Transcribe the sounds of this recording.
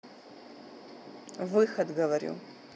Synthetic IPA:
vɨxɐd̪ɡɐvɐɾṵ

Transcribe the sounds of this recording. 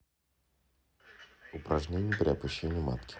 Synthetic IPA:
ʊpɾɐʐnʲenʲɪjəpɾʲɪɐpaɕːenʲɪjəma̰t̪kʲɪ̥

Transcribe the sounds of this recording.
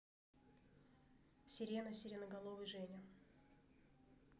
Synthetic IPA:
sʲɪɾʲenəsʲɪɾʲɪnəɡɐlˠovɨjʐɛnʲɪ

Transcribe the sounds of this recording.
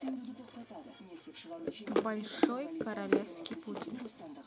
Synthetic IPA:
bɐlʲʂojkɐɾɐlʲefskʲɪjputʲɪ̰n

